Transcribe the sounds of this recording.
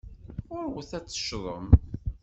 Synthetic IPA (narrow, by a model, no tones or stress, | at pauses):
ʊɾwθæt͡sːə̥ʃðˤəm